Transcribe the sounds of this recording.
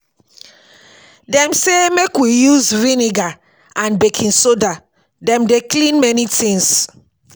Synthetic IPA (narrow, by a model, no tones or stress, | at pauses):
dɛ̃msemekwijuzɹiniɡa | ãnbekʰĩnsoda | dɛ̃mdeklĩnmɛnitĩŋs